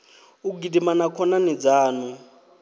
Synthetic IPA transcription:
uɡidimanakʰɔnanid͡zaːnu

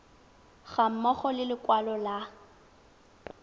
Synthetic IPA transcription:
ɣam̩mɔχɔlɪlɪkʼwalɔla

